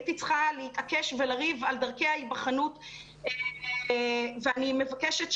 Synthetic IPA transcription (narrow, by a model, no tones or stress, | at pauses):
t̪it͡sχaleitakeʃvelaʁivald̪aʁkeaibaχanut | veanimevakeʃetʃ